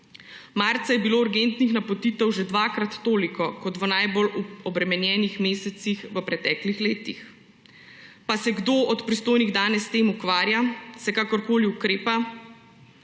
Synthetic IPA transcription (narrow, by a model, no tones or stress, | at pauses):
maɾt̪sɛjɛbiloːuɾɡent̪nixnapɔt̪iːt̪ɛwʒed̪ʋakɾat̪ːoːlikɔkɔt̪ʋənajboluɔbɾɛmɛnjɛːnixmeːsɛt̪sixʋəpɾɛt̪ɛːklixleːt̪ix | pasɛɡd̪oɔt̪pɾist̪oːjniɣd̪aːnɛsːt̪eːmukʋaːɾjasɛkaːkɔɾkoːliukɾeːpa